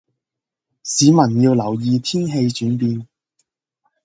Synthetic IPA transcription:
siː˨˥mɐ˨˩njiː˧wlɐ˨˩wjiː˧t̪ʰiː˥nɦe˧jt͡ʃyː˨˥npiː˧n

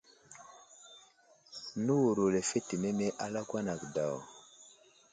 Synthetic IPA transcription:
nu˦wu˨ɾo˨le˨fe˦ti˨me˦me˦ʔa˦la˦kwa˦na˨kda˨w

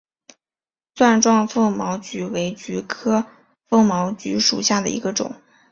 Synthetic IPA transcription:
swa˥˧nʈ͡ʂwɑ˥˧ŋfɤ˥˩ŋmɑ˧˥ʊt͡ɕy˧˥we˧˥ɪt͡ɕy˧˥kʰɤ˥ | fɤ˥ŋmɑ˧˥ʊt͡ɕy˧˥ʂṵ˨˩ɕja˥˩d̪ə̰˩ḭ˧˥ɡə˧ʈ͡ʂʊ̰˨˩˦ŋ

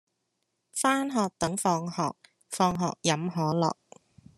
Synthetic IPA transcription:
faː˥nɦɔː˨k̚t̪ɐ˨˥ŋfɔː˧ŋhɔː˨k̚ | fɔː˧ŋɦɔ̰ː˨k̚jɐ˨˥mɦɔː˨˥lɔ̰ː˨k̚

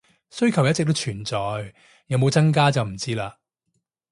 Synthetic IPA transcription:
sɵ˥ɥkʰɐ˨˩wjɐ˥t̚t͡sɪ˨k̚t̪o˥wt͡ʃʰyː˨˩nt͡sɔː˨j | jɐ˨˧wmo˨˧wt͡sɐ˥ŋk̬aː˥t͡sɐ˨wm̩˨˩t͡siː˥laː˧

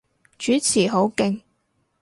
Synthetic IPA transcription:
t͡ʃyː˨˥t͡sʰiː˨˩ɦo˨˥wkɪ˧ŋ

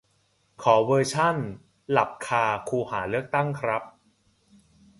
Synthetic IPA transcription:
kʰɔː˩˦wɤː˧t͡ɕʰa˥˩n | la˨˩p̚kʰaː˧kʰuː˧haː˩˦lɯ˥˩ək̚t̪a˥˩ŋkʰɾa˦˥p̚

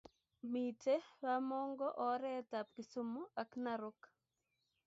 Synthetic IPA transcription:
mi˨te˦wamɔ˦ŋɡɔ˦ʔɔ˨ɾɛ˦ta˨p̚ki˨su˦mu˦a˨knaɾʊ˦k

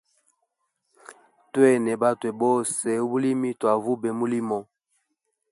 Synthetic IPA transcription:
twɛ˦˨nɛ˨ba˦twɛ˨bɔ˦sɛ˨˦bu˦li˦mi˦twa˨vu˦bɛ˨mu˦li˦mɔ˦

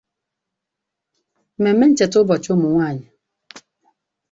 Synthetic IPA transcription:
me˨˦me˦n̩˦t͡ʃɛ˨tʊ˦bɔ˨t͡ʃʊ˦mʊ˨ŋʷaː˦˨ɲɪ˨

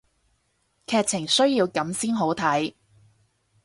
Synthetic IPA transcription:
kʰɛː˧k̚t͡sʰɪ˨˩ŋsɵ˥ɥjiː˧wkɐ˨˥msiː˥nɦo˨˥wt̪ʰɐ˨˥j

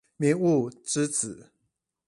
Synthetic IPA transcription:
mɛ˧˦nu˥˩ʈ͡ʂɻ̩˥t͡sɹ̩˨˩˦

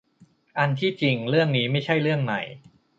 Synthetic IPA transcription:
ʔa˧nt̪ʰiː˥˩t͡ɕi˨˧ŋɾɯ˥˩əŋniː˦˥ma˥˩jt͡ɕʰa˥˩jɾɯ˥˩əŋma̰˨˩j

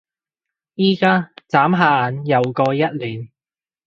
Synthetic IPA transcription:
jiː˥kaː˥t͡saː˨˥mɦaː˧˨njɐ˨wkɔː˧jɐ˥t̚liː˨˩n

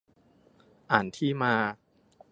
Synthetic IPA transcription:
ʔaː˨˩˦nt̪ʰiː˥˩maː˧

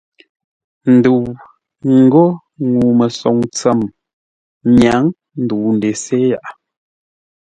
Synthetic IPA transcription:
n̩˨du˨w | ŋ̩˨ɡo˦ | ŋu˨mə˨sɔ˨ŋt͡sɛ˦˨m | ɲa˨˦ŋ | n̩˨du˨n̩˨de˨se˦ja˦˨ʔa˨

